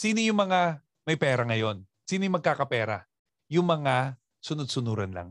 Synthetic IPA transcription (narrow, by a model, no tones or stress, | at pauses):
siːnojʊŋmɐŋa | mɐjpɛːɾɐŋɐjo̞n | siːnojʊŋmɐɡ̚kaːkɐpɛːɾɐ̰ | jʊŋmɐŋa | sʊnʊd̪̚sʊnuːɾɐnla̰ŋ